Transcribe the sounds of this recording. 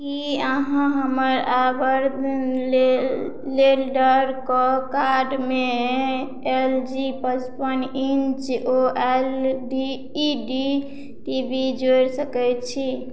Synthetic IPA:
kiaɦãɦəməɾabəɾd̪nle | lelɖəɾkɔkaɖme | eld͡ʒipət͡ʃpənint͡ʃoʔelɖiː | ɖi | ʈibʱid͡ʒoɾsəkɛjt̪t͡ʃʰi

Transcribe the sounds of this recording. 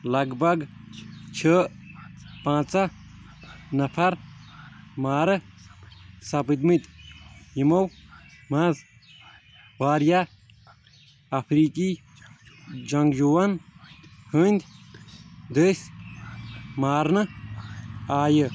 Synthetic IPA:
lɐɡbɐɡ | t͡ʃʰə | pãːt͡sɐ | nɐpʰɐɾ | maːɾɨ | sɐpɨt̪mit̪ʲjimowmɐz | waːɾja | ɐpʰɾiːki | d͡ʒɐŋɡd͡ʒuwɐn | hənʲd̪ʲ | d̪əsʲ | maːɾnɨ | aːjɨ

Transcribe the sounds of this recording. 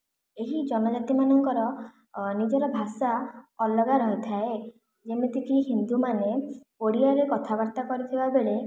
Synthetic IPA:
eɦid͡ʒɔnɔd͡ʒat̪imanɔŋkɔɾɔ | nid͡ʒɔɾɔbʱasaɔlɔɡaɾɔɦit̪ʰae | d͡ʒemet̪ikiɦind̪umanekoɽiaɾekɔt̪ʰabaɾt̪akɔɾit̪ʰibabeɭe

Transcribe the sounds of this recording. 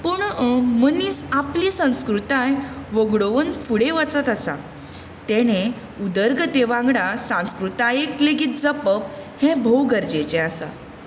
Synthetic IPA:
puɳəməniːsaplisə̃w̃skɾut̪ãjʋəɡɽoʋənfuɽeʋat͡sət̪əsa̰ | t̪ɛɽ̃e | ud̪əɾɡət̪eʋãŋɡɽasãw̃skɾut̪ajekleɡiːt̪̚d͡zəpəp̚hɛ̃bʱəwɡəɾd͡ʑet͡ɕɛ̃asa̰

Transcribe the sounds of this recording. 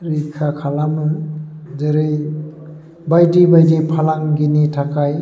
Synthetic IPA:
ɾikʰakʰalamɯzeɾej | bajdibajdipʰalaŋɡinitʰakʰaj

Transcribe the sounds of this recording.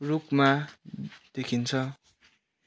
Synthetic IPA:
rukma | d̪̥ekʰint͡sʰʌ

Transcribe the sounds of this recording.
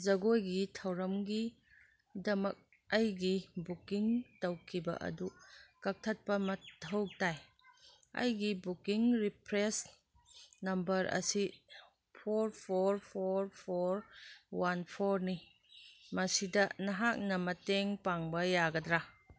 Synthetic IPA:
zɐɡojɡitʰɐwɾɐmɡi | dɐmɐk̚ | ɐjɡibukiŋtɐwkʰibɐ̰ʔɐ̰dukɐk̚tʰɐt̚pɐmɐtʰɐwk̚taj | ɐ̰jɡibukiŋɾipʰɾes | nɐmbɐɾɐ̰si | pʰoɾpʰoɾpʰoɾpʰoɾwanpʰoɾni | mɐsidɐnɐɦak̚nɐmɐteŋpaŋbɐjaɡɐdɾa

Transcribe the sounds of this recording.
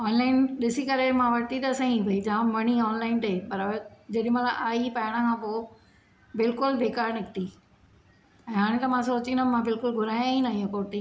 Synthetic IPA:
ɔːnlaːɪnɗɪsikɐɾemãʋɐʈ̪it̪ɐsãĩibʱɐid͡ʑɐãʋɐñiɔːnlaːɪnʈ̪ɐepɐɾd͡ʑeɗɪ̃mɐ̃laʔaːipɐɪɽ̃əkʰãːpoː | bɪlkʊlbeːkaːɾnɪkʰt̪i | ɛ̃ːɦaːɽ̃ẽt̪ɐmãsoːt͡ɕĩnɐmãbɪlkʊlɡʱʊɾaːjãĩnaĩːõkoːʈi

